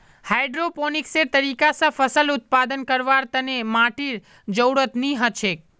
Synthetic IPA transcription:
hajɖɾoponikseɾt̪əɾikasãfəsəlʊt̪̚pad̪ənkəɾʋaɾt̪ənemaʈiɾ | d͡ʒəwɽət̪niɦət͡ʃʰek̚

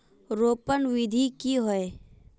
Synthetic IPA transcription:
ɾoːpənʋɪd̪ʱikiɦoe

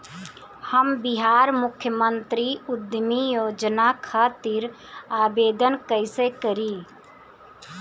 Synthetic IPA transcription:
həmbɪɦaːɾmʊkʰjəmənt̪ɾiʊd̪mijoːd͡ʒnakʰaːt̪iɾ | aːbeːd̪ənkəɪsekəɾi

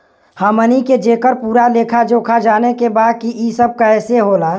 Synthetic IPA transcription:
həməniked͡ʒeːkəɾpuːɾaleːkʰad͡ʒoːkʰad͡ʒaːnekebaːd̪̚kiʔisəb̚kaɛːseɦoːlaː

